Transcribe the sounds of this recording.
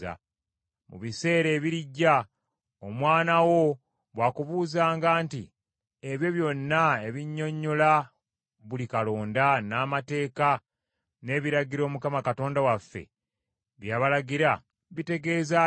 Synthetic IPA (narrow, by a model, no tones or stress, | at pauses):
a̰ | mṵβise̞ːɾe̞ːβiɾiɟːa | omwaːnawo̞ | βwaːkuβuːzaːŋɡaːnti | e̞βjo̞βjo̞nːae̞βiɲːo̞ɲːola | βulikalo̞ːndanaːmate̞ːka | ne̞ːβiɾaɡiɾo̞ːmukamakato̞ːndawafːe̞̰ | βjaːβalaɡiɾa | βite̞ɡe̞ːza